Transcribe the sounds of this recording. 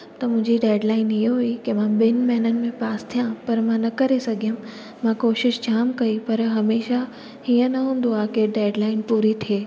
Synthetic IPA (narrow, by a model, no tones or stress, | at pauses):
t̪ɐmʊ̃ɦɪ̃ɲd͡ʑiɖeːɖlaːɪnɪɦoɦuikimãɓɪnmɛɦnənɪ̆mẽpaːst̪ʰijãpɐɾmãnɐkɐɾesɐɡʱijəm | mãkoːʃɪʃd͡ʑaːmkɐipɐɾɦɐmeːʃa | hiːə̃nɐɦũːn̆d̪oaːkeɖeːɖlaːɪnpuːɾit̪ʰieː